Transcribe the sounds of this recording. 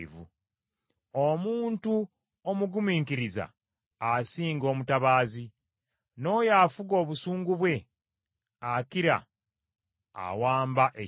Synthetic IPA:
vṵ | omuːntu | omuɡumiːŋkiɾiza̰ː | siːŋɡo̞ːmutaβaːzi | no̞ːjaːfuɡo̞ːβusuːŋɡuβwe̞ | akiɾa̰ | a̰waːmbaʔe

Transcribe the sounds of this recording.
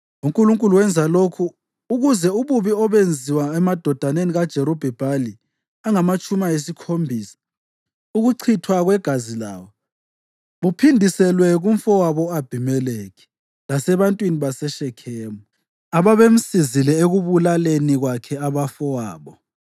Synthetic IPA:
uŋkʼuluŋkʼuluwɛnd͡zʱalokʰuː | ɣuzɛuβuβiɔβend͡zʱiwaɛmad̥ʱɔd̥ʱaneniɣad̥ʒ̥ʱɛɾɔb̥ʱɛb̥ʱali | aŋamat͡ʃʼumajes̬ikʰombʱiːsḁ | uɣuǀʰitʰwaɣwɛɡ̥ʱazila̰ːwɔ | βupʰindʱisɛlwɛɣuɱfɔwaβɔab̥ʱimɛlekɛ̥ | lasɛβantʼwiniβasɛʃɛkʰɛːmɔ | aβaβem̩sizilɛeɣuβulaleniɣwakʰɛaβafɔwaːβɔ

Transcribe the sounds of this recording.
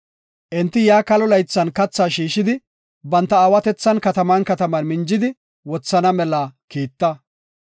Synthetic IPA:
ʔɛnt̪ːɪjaːkɐlɔlɐjt͡sːɐnkɐt͡sːaːʃiːʃɪd̪ɪ | bɐnt̪ːɐaːwɐt̪ɛt͡sːɐnkɐt̪ɐmɐnkɐt̪ɐmɐnmɪnd͡ʒɪd̪ɪ | wɔt͡sːɐnɐmɛlɐkiːt̪ːɐ

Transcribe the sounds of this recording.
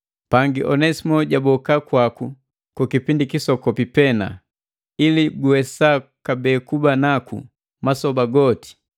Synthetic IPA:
paŋɡiʔɔnɛsimɔɟabɔkakwaku | kukipindikisɔkɔpipɛna̰ | iliɡuwɛsakabɛkubanakṵ | masɔbaɡɔti̥

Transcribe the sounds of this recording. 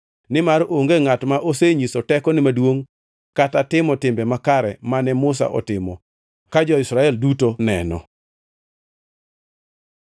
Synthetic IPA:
nɪmaɾoŋɡeŋatmaʔoseɲisɔtɛkɔnɪmadwoŋ | katatɪmɔtɪmbɛmakaɾɛ̰manɛmʊs̬a̰ʔɔ̰tɪmɔ | kad͡ʒɔɪsɾaɛldutonɛnɔ̰

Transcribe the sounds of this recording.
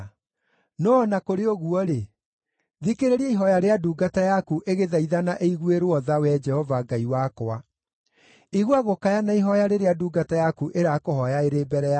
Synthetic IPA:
nɔːnakoɾeoɣuɔɾe | ðikeɾeɾiɛiɦɔjaɾeaduːɡatajakuʔeɣeðaiðanaʔeiɣweɾoɔðawɛd͡ʒɛhɔvaɡaiwakoa | iɣwaɣokajanaiɦɔjaɾeɾeaduːɡatajakuʔeɾakohɔjaeɾeːbɛɾɛa

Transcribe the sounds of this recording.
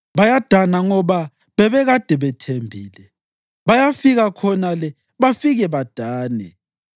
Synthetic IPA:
βajad̥ʱanaŋɔβa | βɛβɛɣad̥ʱɛβɛtʰembʱḭːlɛ | βajafiɣakʰɔnalɛ | βafiɣɛβad̥ʱaːnɛ̰

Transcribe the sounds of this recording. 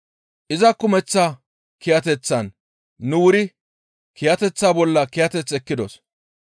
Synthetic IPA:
ʔɪzɐkːʊmɛt͡sːaː | kɪjɐt̪ɛt͡sːɐnː | ʊwʊɾɪ | kɪjɐt̪ɛt͡sːaːbɔlːɐkɪjɐt̪ɛt͡sːɛkːɪd̪os

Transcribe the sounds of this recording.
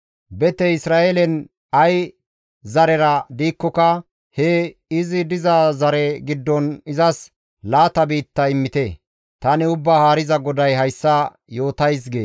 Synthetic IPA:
bɛt̪ɛɪsɾaːelɛn | ɐj | zɐɾɛɾɐd̪iːkːɔkɐ | hɛɪzɪd̪ɪzɐzɐɾɛɡɪd̪ːɔnɪzɐs | laːt̪ɐbiːt̪ːɐɪmːɪt̪ɛ | t̪ɐnɪʊbːaːhaːɾɪzɐɡɔd̪ɐjɦɐjsːɐ | jo̞ːt̪ɐjs̬ɡeː

